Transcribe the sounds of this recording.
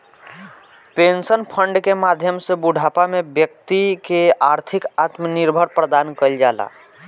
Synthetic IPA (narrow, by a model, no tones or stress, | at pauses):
pensənpʰəɳɖkemad̪ʱjəmsebuɖ̤ʱapamebjək̚t̪ikeaɾt̪ʰikat̪məniɾbʱəɾpɾəd̪ankəld͡ʒala̰